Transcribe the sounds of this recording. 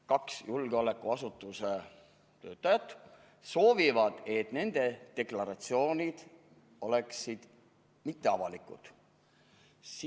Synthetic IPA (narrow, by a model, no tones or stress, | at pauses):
kɑksjulɡeo̞le̞kːuɑsut̪ːˑuse | t̪ø̞ːt̪ːˑɑjɑt̪ːˑ | so̞ːvivɑd̪̥et̪ne̞nd̪e̞d̪̥e̞klɑɾɑt̪sio̞ːnʲid̪̥ | o̞le̞ksid̪̥ | mit̪ːe̞ɑvɑlikṵd̪̥ | s